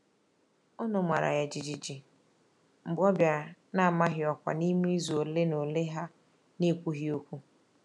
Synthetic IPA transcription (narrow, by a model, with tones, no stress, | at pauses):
ɔ˦nʊ˨mʷa˨ɾa̰˨ja˨d͡ʒi˨d͡ʒi˨d͡ʒi˨ | m̩˨bɔ˦bja˨na˦˨ma˦ɦɪ˨ɔ˨kʷa̰˨ni˦mi˦i˦zu˨o˨le˦no˨le˦ɦa˦ | ne˦˨kʷu˦ɦi˦o˦kʷu˦